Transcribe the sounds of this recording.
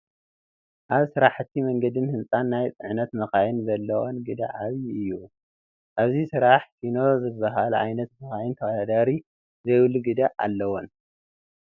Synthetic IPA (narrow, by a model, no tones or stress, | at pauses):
ʔaβsɨɾaħɨt̪ʰːimɐŋɡɐd̪ɨnhɨnt͡sʼanːajt͡s̪ʼɨʕnɐt̪mɐxajɪnzɐlːɐwonɡɨd̪a̰ʔaβiɨjːu | ʔaβzisɨɾaħsino̞zɨbɐɦalʕa̰jnɐt̪mɐxajɪnt̪ʰɐwɐd̪ad̪aɾi | zɐjwluɡɨd̪aʔa̰lːɐwon